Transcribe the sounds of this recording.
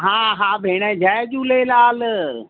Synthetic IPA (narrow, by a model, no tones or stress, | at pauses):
ɦãːɦãːbʱeːɽd͡ʑʱaːed͡ʑũːleːlaːl